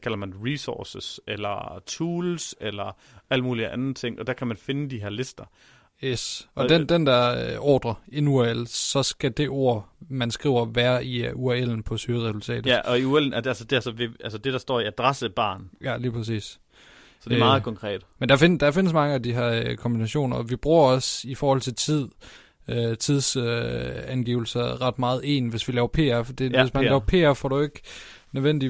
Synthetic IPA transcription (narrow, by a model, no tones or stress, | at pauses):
kʰælɐmænʁisɔːsəselɐt͡sʰuːlselɐ | æl̰dmuːliəʔænð̩ˠt͡sʰe̝ŋ̰ʔɒ̽d̥æɐkʰæmænfe̝nəd̥iɦeɐ̰le̝sd̥ɐ | jesʔɒ̽d̥end̥end̥æɐɒːd̥ʁɐenuæel̰sɒ̽sɡ̥æd̥e̝ʔo̝ɐ̰mænsɡ̥ʁḭʊ̰ɐʋæːɐʔiuæel̰n̩pʰɒ̽syɐʁɛsult͡sʰɛ̰ːd̥æɒ̽iueln̩ælsəd̥e̝æsɒʋe̝ælsəd̥e̝d̥ɑ̈sd̥ɒ̰ːiæd̥ʁɑsəb̥ɑ̰̈ːnjæliːpʰɐs̬ḭːs | sɒd̥eɑ̈ːð̩ˠkʰɒ̽ŋkʰʁɛ̰ːd̥mend̥ɑ̈fend̥ɑ̈fe̝nəs̬mɑ̈ŋəæd̥iɦæɐkʰɒ̽mb̥inæɕo̝̰ːnɐɒʋib̥ʁuːɐɒ̽sifɒːhɒ̽l̰t͡sʰe̝lt͡sʰið̰ˠ | øt͡sʰið̞ˠs | ænɡ̥ḭːʊl̩sɐʁɑ̈d̥mɑ̈ːð̞̩ˠe̝̰ːnʋe̝sʋilɛːʊɐpʰe̝̰ːɐd̥e̝es̬mænlɛːʊɐpʰe̝̰ːɐfɒɾ̥ue̝ɡ̥ | nøðˠʋen̰d̥i